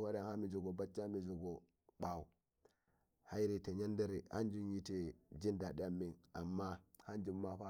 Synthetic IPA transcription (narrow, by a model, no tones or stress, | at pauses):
waɾanhamid͡ʒuɡobat͡ʃːamid͡ʒuɡo | ɓawu | hajiɾiteɲandaɾiha̰nd͡ʒunjitid͡ʒindadiamːinamːahand͡ʒumːaɸa